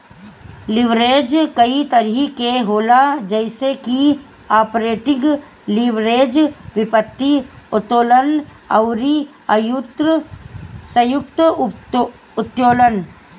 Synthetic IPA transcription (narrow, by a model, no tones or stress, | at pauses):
lɪʋɾeːd͡ʒkɐit̪əɾɦikeɦoːlad͡ʒəɪseki | aːpɾeːʈɪɡ | lɪʋɾeːd͡ʒʋɪpət̪ːiʊt̪oːlən | ɐ̰ʊɾi | ɐjʊt̪ɾ | sɐjʊkt̪ | ʊt̪joːlən